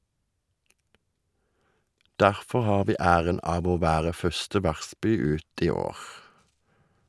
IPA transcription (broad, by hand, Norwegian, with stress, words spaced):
ˈdæʁfɔʁ ˈhɑːʁ ˈʋiː ˈæːʁən ˈɑːʋ ˈoː ˈʋæːʁə ˈfœʁstə ˈʋæʁˌspyː ˈʉːt ˈiː ˈoːʁ